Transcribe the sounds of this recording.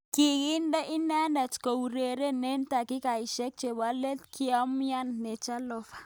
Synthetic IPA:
ki˨ɣi˦nda˦ʔi˦na˦nda˨t͡ʃko˨u˨ɾe˨ɾe˦ne˦nta˨ki˦ka˨i˨ʃɛ˦k̚t͡ʃe˨ba˨˦le˦tki˦a˦mi˦a˦nːe˨t͡ʃa˦lɔ˦fḁ˨

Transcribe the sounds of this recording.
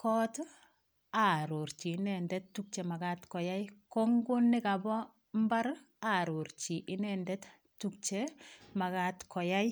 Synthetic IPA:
kɔ˦t | a˨ɾo˨ɾt͡ʃi˨nɛ˨ndɛ˦ttːu˦k̚t͡ʃɛ˨ma˨katkɔ˨ja˦jko˦ŋɡʊ˦nːɪ˦ka˨bɔ˦ | mba˦ɾ | a˨ɾo˨ɾt͡ʃi˨ʔɪ˦nɛndɛ˦t | tːuk̚t͡ʃɛma˨ka˦tkɔ˨ja˦j

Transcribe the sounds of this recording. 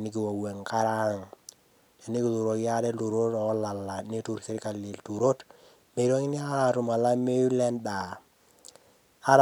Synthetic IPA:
nɪ˦ki˨wa˨wɛ˨ŋka˦ɾa˦ŋ | te˨ni˦ki˨˦lu˨ɾo˨kja˦dɛ˦lu˨ɾo˦tɔ˨˦la˨lːa˨ne˦tu˨ɾse˦ɾɪ˦ka˨li˨ltu˨ɾo˦t | me˨i˨ɾo˦ŋi˦ni˦a˦˨ɾu˨ma˨la˦me˦u˦lɛ˦nda˨ | a˦ɾ

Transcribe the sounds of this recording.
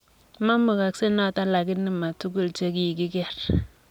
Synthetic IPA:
ma˦mu˨ka˨kse˦na˦˨ta˦la˨ki˦ni˦ma˨tu˦ɡ̬u˦˨lt͡ʃe˦ki˦i˨ki˦kɛ˦˨ɾ

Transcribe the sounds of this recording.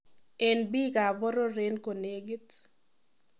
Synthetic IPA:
ɛ˨nbi˦ka˨bɔ˦ɾo˦ɾe˦nko˨ne˦ɡi˦t

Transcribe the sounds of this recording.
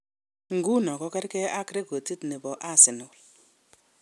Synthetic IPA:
ŋ̩˨ɡu˦nɔ˨kɔ˦kɛ˦ɾkɛ˦a˦kɾe˦ko˨ti˦tni˨bɔ˨ʔa˦˨sɪ˨no˨l

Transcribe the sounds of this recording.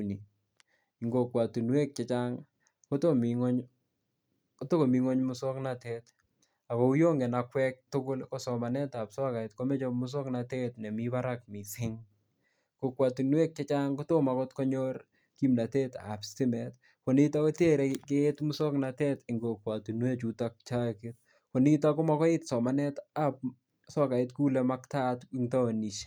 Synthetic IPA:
uni˨ | ɪ˨ŋɡo˨kwa˨tu˨nwɛ˦k̚t͡ʃe˦t͡ʃaŋ | ko˦to˦miŋɔ˦ɲ | ko˦to˦ko˨mi˨ŋɔ˦ɲmʊ˦sɔ˦kna˦te˦t | a˨ko˨u˦jo˦ŋɡɛ˨nakwɛ˦k̚tʊ˦kʊ˦lkɔ˦sɔ˨ma˨nɛ˦ta˨psɔ˦ka˨itko˦mɛ˦t͡ʃɔ˦mʊ˦s̬ɔ˦knate˦tne˨miba˦ɾa˦k̚mi˨sɪ˦ŋ | ko˨kwa˨tu˨nwe˦k̚t͡ʃɛ˦t͡ʃa˦ŋko˦to˦ma˨kɔ˦tkɔ˦ɲɔr | ki˦mna˨te˦ta̰˨pstɪ˦mɛ˨t | ko˨ni˦ta˦kɔ˦tje˦ɾɛkɪtmʊsɔ˦knatɛ˦tɪ˨ŋɡo˨kwa˨tu˨nwe˦t͡ʃu˦tak̚t͡ʃa˦kɪt | ko˨ni˦t̬akɔ˦ma˨kɔ˦ɪ˦tsɔ˨ma˨nɛta˨p̚ | sɔ˦ka˨ɪ˦tku˦lɛma˦kta˦tiŋta˦o˨ni˨ʃe̥

